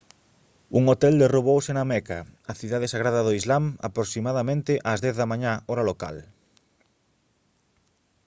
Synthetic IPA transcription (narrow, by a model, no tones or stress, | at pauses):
uŋot̪ɛld̪eroβowsenamɛka̰aθiðaðesaɣ̞ɾaðɐðoizlama̰pɾoksimaðamẽnt̪ɪʔazðɛθðɐmãɲaɔɾaloka̰l